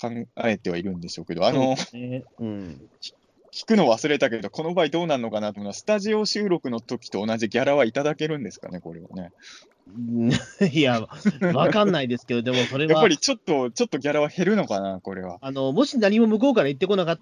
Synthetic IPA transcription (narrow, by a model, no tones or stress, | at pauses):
kãŋae̞t̪ːe̞β̞aiɾɯ̟̃nd̪e̞ɕo̞ːke̞d̪o̞ano̞ | ɯ̃ːi̥ | kʲi̥kɯ̟no̞βasɨɾe̞t̪ake̞d̪o̞ko̞no̞baːid̪o̞ːnaɾɯno̞kanat̪omːasɨ̥t̪aʑio̞ɕɨːɾo̞kɯ̟no̞t̪o̞kʲi̥t̪o̞ːnaʑiɡʲaɾaβait̪ad̪ake̞ɾɯ̟̃nd̪e̞sɨ̥ka̰ne̞ko̞ɾe̞βa̰ne̞ | jaβakãnːaid̪e̞sɨ̥ke̞d̪od̪e̞mosso̞ɾe̞jaappːaɾʲit͡ɕo̞t̪ːo̞t͡ɕo̞t̪ːo̞ɡʲaɾaβahe̞ɾɯ̟no̞kanako̞ɾe̞βa̰ano̞mo̞ɕinaɲ̟imo̞mɯ̟ko̞ːkaɾait̪ːe̞ko̞nakat̪ː